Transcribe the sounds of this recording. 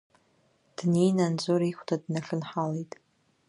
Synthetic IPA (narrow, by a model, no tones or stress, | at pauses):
d̥nijnand͡zʷʼoɾixʷtʰadnaɬɨnħalejtʼ